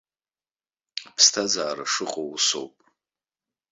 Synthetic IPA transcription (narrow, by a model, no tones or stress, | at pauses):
apʰstʰazaːɾaʂɨqʼouso̞̰wpʼ